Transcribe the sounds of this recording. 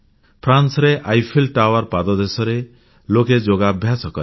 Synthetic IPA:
pʰɾansɾeʔajpʰilʈawaɾpad̪ɔd̪esɔɾe | loked͡ʒoɡabʱjasɔkɔɾ

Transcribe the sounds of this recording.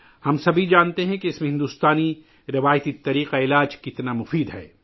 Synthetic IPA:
hɐmsɐbʱid͡ʒaːnt̪eɦɛ̃keɪsmẽɦɪ̃nd̪uːst̪aːni | ɾɪʋaːjt̪it̪ɐɾiːqaɪlaːd͡ʒkɪt̪namʊfiːd̪ɦɛ̰ː

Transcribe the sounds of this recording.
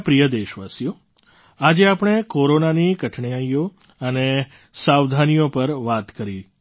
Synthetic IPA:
pɾijəd̪eʃʋasjo | ad͡ʒeapɽ̃ekoɾonanikəʈʰɳijajo | əne | saʋd̪ʱanijopəɾʋat̪kəɾi

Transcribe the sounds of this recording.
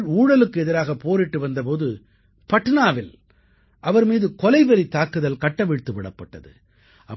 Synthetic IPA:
uːɽɐlɯkːɯɛðɪɾaːɣɐpoːɾɪʈːɯʋɐnd̪ɐp̬oːðɯ | pɐʈːɯnaːʋɪl | ʔɐʋɐɾmiːðɯkɔlɐɪʋɛɾit̪ːaːkɯðɐlkɐʈːɐʋɪɻt̪ːɯʋɪɽɐpːɐʈːɐ̰ðɯ̰ | ʔɐ

